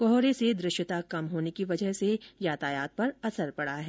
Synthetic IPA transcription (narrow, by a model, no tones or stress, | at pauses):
kɔɦɾesed̪ɾɪʃjət̪akɐmɦoːnekiʋɐd͡ʒəɦsejaːt̪aːjaːt̪̚pɐɾɐsəɾpɐɽ̤aɦɛː